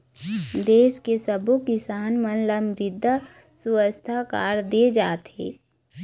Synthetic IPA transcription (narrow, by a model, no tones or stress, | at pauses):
d̪eːskesəbokɪsaːnmənləmɾɪd̪ʱːa | sʊwəst̪ʰakaːɾd̪ed͡ʒaːt̪ɦeː